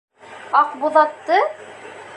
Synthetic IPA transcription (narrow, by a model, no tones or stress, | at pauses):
ɑqbuðɑt̪ːɤ